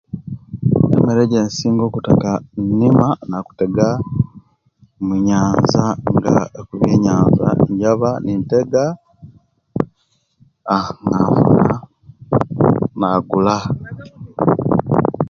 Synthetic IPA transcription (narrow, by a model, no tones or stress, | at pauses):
ḛmeɾeɟensiːŋɡokutakannimanaku̥teɡa | muɲaːnzaŋɡa̰ekuβeɲaːnza̰ɲɟaβaninteɡa | ŋafṵna | naɡula